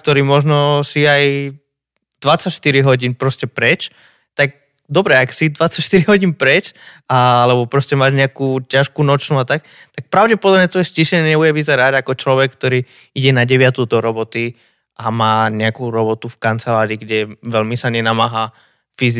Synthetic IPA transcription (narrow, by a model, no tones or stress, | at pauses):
kt̪ɔɾiːmɔʒnɔsiaj | d̪̥ʋat͡sacʃt̪iɾiɦɔɟiːnpɾɔscɛpɾɛt͡ʃ | t̪ak̚ | d̪ɔbɾɛaksid̪ʋat͡sacʃt̪iɾiɦɔɟiːnpɾɛt͡ʃ | alɛbɔpɾɔscɛmaːʒɲɛakuːcaʃkunɔt͡ʃnuat̪ak̚ | t̪ak̚pɾaʊɟɛpɔd̪ɔbɲɛt̪ʋɔjɛsciʃɛɲɛɲɛbujɛʋizɛɾaɟakɔt͡ʃlɔʋɛkːt̪ɔɾiː | iɟɛnaɟɛʋɪat̪ud̪ɔɾɔbɔt̪i | ʔamaːɲɛakuɾɔbɔt̪ufkant͡sɛlaːɾiːɡɟɛʋɛlmisaɲɛnamaːɦaː | fiz